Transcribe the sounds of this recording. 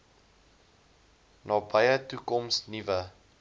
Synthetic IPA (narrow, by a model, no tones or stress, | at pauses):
nɑːbɐjətukɔmsnivə